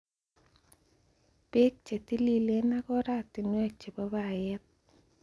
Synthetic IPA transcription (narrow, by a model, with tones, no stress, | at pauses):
pe˦k̚t͡ʃe˨t̪i˦li˦le˦na˦kɔ˦ɾa˦tɪ˨nwɛ˦˨k̚t͡ʃe˨ba˦ba˦˨jɛ˦t̪̚